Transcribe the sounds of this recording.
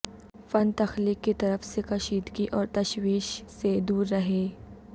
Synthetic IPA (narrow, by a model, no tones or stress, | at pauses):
fɐnt̪ɐxliːkːit̪ɐɾəfsekɐʃiːd̪kiʔɔːɾt̪ɐʃwiːʃsed̪uːɾːɐɦeː